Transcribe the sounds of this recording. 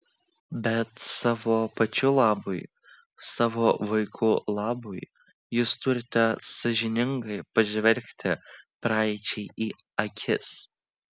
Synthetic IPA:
bʲɛt̪sɑːʋoːpɐt͡ʃʲʊlˠɑːbʊɪ | sɑːʋoːʋɐɪkʰʊlˠɑːbʊɪ | jʊst̪ʊɾʲɪt̪ʲɛsɐʒʲɪnʲɪŋɡɐɪpɐʒʲʋʲɛlʲkʲt̪ʲɪpɾɑˑɪt͡ʃʲɛɪʔiː | ɐkʲʰɪ̰s

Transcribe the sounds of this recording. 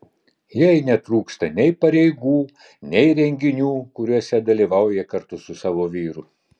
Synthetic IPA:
jɛɪnʲɛt̪ɾuːkst̪ɐnʲɛɪpɐɾʲɛɪɡuː | nʲɛɪɾʲɛŋʲɡʲɪnʲuːkʊɾʲuɔsʲɛd̪ɐlʲiːˑʋɑˑʊjɛkɐɾt̪ʊsʊsɑːʋoːʋʲiːɾʊ

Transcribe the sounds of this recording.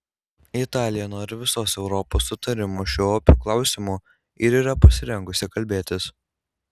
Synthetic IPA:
ɪt̪ɑːlʲɪjɛnoːɾʲɪʋʲɪsoːsɛʊɾɔpoːsːʊt̪ɐɾʲɪmuʃʲuɔpʲuːklˠɑˑʊsʲɪmuː | ɪɾiːɾɐpɐsʲɪɾʲɛŋɡʊsʲɪkɐlʲbʲeːt̪ʲɪs

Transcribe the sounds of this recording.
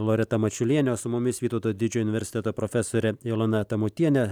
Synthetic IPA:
lˠoːɾʲɛt̪ɐmɐt͡ʃʲʊlʲiɛnʲɛsʊmʊmʲɪsʋʲiːt̪oːt̪oːjd̪ʲɪd͡ʒʲoːʊnʲɪʋʲɛɾʲsʲɪ̥t̪ʲɛt̪oːpɾofʲɛsoːɾʲɛɪlˠonɐt̪ɐmʊt̪ʲiɛnʲɛ

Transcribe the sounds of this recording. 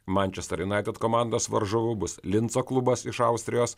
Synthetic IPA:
mɑnʲt͡ʃʲɛst̪ɐɾʲjɪnɑˑɪt̪ʲɛt̪koːmɑˑnd̪oːsʋɐ̰ɾʒoːʋʊbʊslʲɪnt̪soːklˠʊbɐsɪʃɑˑʊsʲt̪ʲɾʲɪjoːs

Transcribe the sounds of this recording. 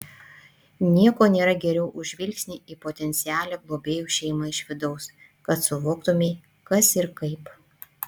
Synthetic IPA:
nʲiɛkoːnʲeːɾɐɡʲɛɾʲɛʊʔʊʒʲʋʲɪlʲksʲnʲɪiːpoːt̪ʲɛnʲt̪sʲɪæːlʲɛːɡlˠoːbʲeːjuːʃʲɛɪmɐɪʃʋʲɪd̪ɐʊs | kɐt̪sʊʋoːkt̪ʊmʲeː | kɐsɪɾkɐɪp

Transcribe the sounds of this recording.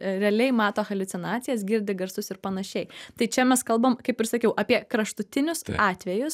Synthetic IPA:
ɾʲɛɐlʲɛɪmɑːt̪oːxɐlʲʊt͡s̪ʲɪnɑːt̪sʲɪjɛs̬ɡʲɪɾʲd̪ʲɪɡɐɾsʊsɪɾpɐnɐʃʲɛɪt̪ɐɪt͡ʃʲɛmʲɛskɐlˠbɐːmkɐɪpɪɾsɐkʲɛʊʔɐpʲiɛkɾɐʃt̪ʊt̪ʲɪnʲʊsɑːt̪ʲʋʲɛjʊs

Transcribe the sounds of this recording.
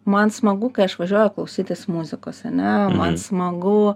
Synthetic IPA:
mɐnsmɐɡukɐɪɐʃʋɐʒʲuɔjɛklˠɐʊsʲiːt̪ʲesmuzʲɪkoːsɐnʲɛmɐnsmɐɡʊ

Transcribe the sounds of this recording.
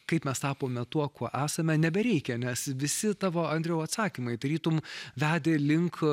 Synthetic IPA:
kɐɪpmʲɛst̪ɑːpoːmʲɛt̪uɔkuɔʔæːsɐmʲɛnʲɛbʲɛɾʲɛɪkʲɛnʲɛsʋʲɪsʲɪt̪ɑːʋoːɐnʲd̪ʲɾʲɛʊɐt̪sɑːkʲimɐɪd̪ɐɾʲiːt̪ʊmʋʲæːd̪ʲeːlʲɪŋk

